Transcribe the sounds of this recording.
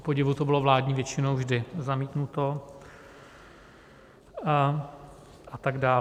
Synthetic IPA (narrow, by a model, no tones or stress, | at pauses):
poɟɪvut̪obɪlo̞vlaːdɲiːvjɛt͡ʃɪnowvʒdɪzamiːt̪nut̪o̞ | at̪aɡdaː